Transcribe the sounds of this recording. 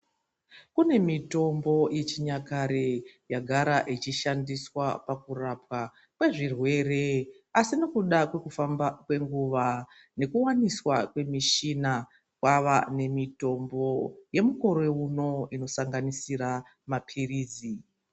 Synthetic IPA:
kune̞mito̞mbo̞je̞t͡ʃiɲakaɾejaɡʱaɾaʔit͡ʃiʃandiswapakurapwa | kwe̞ʐirwe̞re̞ | asino̞kuɗakwe̞kufambakwe̞ŋɡuʋa | ne̞kuwaniswakwe̞miʃina | kwaʋane̞mito̞mbo̞je̞muko̞ɾeuno̞ino̞saŋɡanisiɾa | mapʰiriːd͡zi

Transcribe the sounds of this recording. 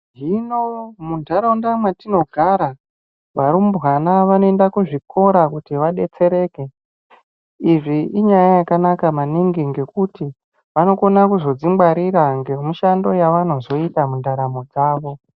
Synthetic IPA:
ʒinomundʱaɾaundamwatino̞ɡʱaɾa | ʋaɾumubʱwanaʋano̞e̞ndakuʐikʰo̞ɾakutiʋaɗe̞t͡se̞ɾe̞ke̞ | iʐiʔiɲajajakanakamaniŋɡiŋɡe̞kuti | ʋano̞ko̞nakuzo̞d͡zimbaɾiɾaŋɡe̞muʃando̞jaʋano̞zo̞itamundaɾamod͡zaːʋo̞

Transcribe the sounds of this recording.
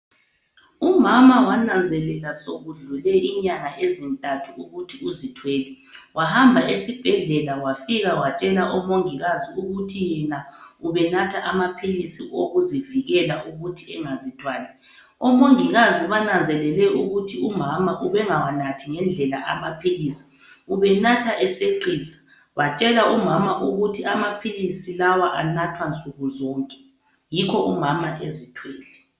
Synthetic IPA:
umamawanand͡zʱɛlɛlasoɣuɮulɛʔiɲaŋaʔezintʼatʰuuɣutʰiuzitʰweːlɛ | wahambʱaʔesib̥ʱɛɮɛlawafiɣawat͡ʃʼɛlaʔɔmoŋiɣaziuɣutʰijɛnauβɛnatʰaʔamapʰilisḭʔoɣuziviɣɛlaʔuɣutʰiɛŋazitʰwaːlɛ | ɔmoŋiɣaziβanand͡zʱɛlɛlɛuɣutʰiumamaʔuβɛŋawanatʰiŋɛnd͡ɮʱɛlaʔamapʰilisi̥ | uβɛnatʰaʔɛseǃiːsḁ | βat͡ʃʼɛlaumamaʔuɣutʰiamapʰilisilawaʔanatʰwant͡sʼuɣuzɔːŋkʼɛ̥ | jikʰɔʔumamaʔezitʰwɛːlɛ

